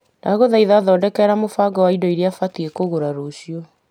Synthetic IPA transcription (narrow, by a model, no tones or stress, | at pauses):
naɣoðaiðaðɔːdɛkɛːɾamofaːɡɔwaidɔiɾeafatiekoɣoɾaɾoɕijɔ